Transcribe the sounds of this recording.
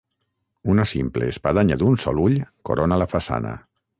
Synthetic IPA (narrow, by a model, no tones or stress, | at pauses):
unasimpleːspað̞aɲaðunsɔluʎko̰ɾonalafasa̰nə̰